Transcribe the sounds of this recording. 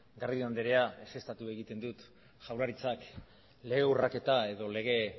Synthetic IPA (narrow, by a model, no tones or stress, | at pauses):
ɡaɾðiand̪eɾe̞aese̞st̪at̪ue̞ɣit̪e̞nd̪ut̪ | ʝawlaɾit͡sak | le̞ɣeurake̞t̪ae̞ðo̞le̞ɣe̞